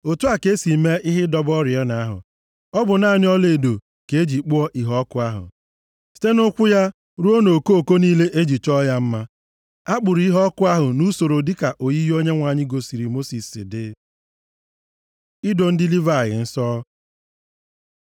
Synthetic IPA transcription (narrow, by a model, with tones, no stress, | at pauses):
o˨tu˦a˨ke˦si˨me˦ʔɪ˦ɦɪ˦dɔ˦bɔ˦ɾjɔ˦na˨˦ɦʊ̰˨ | ɔ˦bʊ˨na˨nɪ˦ɔ˦le˨do˨ | ke˨e˦d͡ʒi˨k͡pu˦ɔ˦ʔi˨ɦɔ˦kʊ˦a˦ɦʊ̰˨ | si̥˨˦te˦nʊ˦kʷʊ˦ja˦ | ɾu˦o˦no˨ko˦o˨ko˦niː˦le˦ʔe˦d͡ʒi˨t͡ʃɔ˦ja˦m̩˦ma˦ | a˦k͡pʊ˨ɾi˦ɦɔ˦kʊ˦a˦ɦʊ˨nu˦so˨ɾo˨dɪ˦ka˨ʔo˨ji˦jo˦ɲe˦ŋʷa˨ɲɪ˦ɡo˨si˨ɾi˨mo˦si˨sɪ̰˨dɪ̰˦ | i˦do˨n̩˦dɪ˦li˦va˨ɣɪ̰˨n̩˦sɔː˦